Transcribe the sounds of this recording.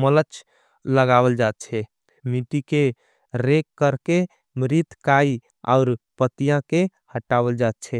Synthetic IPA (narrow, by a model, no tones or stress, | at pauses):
mələt͡ʃ | ləɡabəld͡ʒat̪̚t͡ʃʰɛ | miʈike | ɾekːəɾke | mɾit̪kai | a̰ʊɾpət̪ijãke | həʈabəld͡ʒat̪̚t͡ʃʰɛ